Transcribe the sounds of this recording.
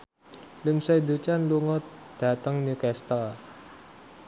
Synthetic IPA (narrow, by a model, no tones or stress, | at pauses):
linsajd̪ut͡ʃanluŋɔt̪̚d̥a̤t̪əŋnikɛst̪əl